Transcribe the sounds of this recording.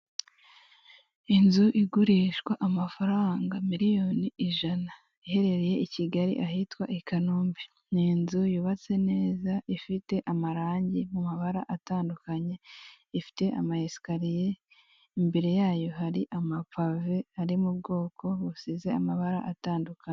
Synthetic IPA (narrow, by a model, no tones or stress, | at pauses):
inzuʔiɡuɾiːʃɡwaʔamafaɾaːŋɡamiɾijo̞ːniiʒana | ihe̞ɾe̞ɾeje̞ʔiciɡaɾḭʔahitwa̰ʔekanuːmbi | ninzujuβat͡se̞ne̞ːzaifite̞ʔamaɾaːɲɟimumaβaɾaʔataːndukaɲe̞ | ifi̥te̞ʔa̰mahesi̥kaɾije̞ | imbeɾe̞jaːjo̞ɦaɾiʔamapave̞aɾimubɡo̞ːko̞usize̞amaβaɾa̰ʔataːndukaɲe